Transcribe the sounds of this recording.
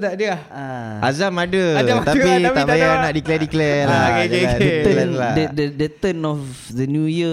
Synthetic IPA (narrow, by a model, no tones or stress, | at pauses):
d̪aʔdə | a | ʔazamadat̪apit̪aʔbajanaʔdiklɛdiklɛlaedəəɛnladədədət̪ənɔf | dənjujə